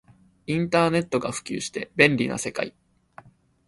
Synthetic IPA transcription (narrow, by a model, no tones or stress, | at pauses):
ĩnt̪aːne̞t̪ːo̞ɡaɸɯ̟̥kʲɨ̰ːɕi̥t̪e̞bẽ̞nɾʲina̰se̞ka̰i